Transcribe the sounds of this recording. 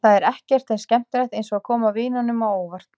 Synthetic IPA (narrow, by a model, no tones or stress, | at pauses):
θaðɛɾɛhcɛr̥t̪θɛscɛm̥t̪ɪɾaht̪ejnsɔɣakʰɔːmaviːnanʏmawoːwvar̥t̪